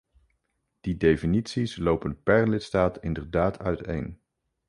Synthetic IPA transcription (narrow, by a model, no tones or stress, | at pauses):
d̥idejfinitsislowpənpɛɹlɪtstaːtɪndəɹdaːtʰœ̰ɥtḛjn